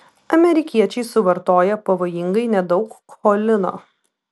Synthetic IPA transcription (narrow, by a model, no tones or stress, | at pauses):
ɐmʲɛɾʲɪkʲiɛt͡ʃʲɛɪsʊʋɐɾt̪oːjɛpɐʋoːjɪŋɡɐɪnʲɛd̪ɒʊkkolʲɪno̰ː